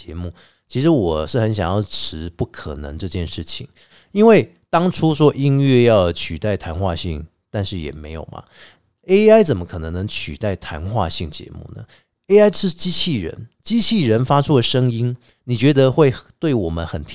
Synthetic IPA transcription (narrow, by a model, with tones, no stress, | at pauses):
ɛ˧˦mu˥˩ | t͡ɕʰi˧˥ʂ̬ɻ̩˧˥wɔ˨˩ʂɻ̩˥˩xə˧˦nɕjɑ̰˨˩ŋjɑ˥˩ʊʈ͡ʂʰɻ̩˧˥pu˥˩kʰə˨˩nə̰˧˦ŋʈ͡ʂɤ˥˧t͡ɕjɛ˥˧nʂɻ̩˥˩t͡ɕʰi˨˩˦ŋ | i˥nwe˥˩ɪ | t̪ɑ˥ŋʈ͡ʂʰu˥ʂwɔ˥ʔi˥nɥɛ˥˧jɑ˥˧ʊ˩t͡ɕʰy˨˩t̪a˥˩ɪt̪ʰa˧˥nxwa̰˥˧ɕi˥˨˩ŋ | t̪a˥˧nʂɻ̩˥˩jɛ̰˨˩me˧˥ɪjo̰˨˩ʊmɐ̰˩ | e˥ɪa˥ɪt͡sə˨˩nmə˦kʰɤ˨˩nə˧˥ŋnə˧˥ŋt͡ɕʰy˨˩t̪a˥˩ɪt̪ʰa˧˥nxwa̰˥˧ɕi˥˩ŋt͡ɕjɛ̰˧˥mṵ˥˩nə̰˩ | e˥ɪa˥ɪʂɻ̩˥˧t͡ɕi˥t͡ɕʰi˥˩ɻə̰˧˦nt͡ɕi˥t͡ɕʰi˥˩ɻə˧˦nfa˥ʈ͡ʂʰu˥d̪ə˨ʂə˥ŋi˥n | ni˨˩t͡ɕɥɛ˧˥d̪ə˧xwe˥˩˧ɪt̪we˥˩ɪwɔ˨˩mə˦nxə˨˩nt̪ʰ